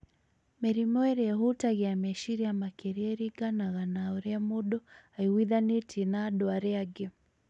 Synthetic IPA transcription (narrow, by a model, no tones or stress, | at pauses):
mɛɾimɔɛɾɛɦutaɣɛamɛʃiɾiamakɛɾiɛɾiɡanaɣanaɔɾɛamuɗɔaiwiðanitʰinaɗɔaɾɛaɡɛ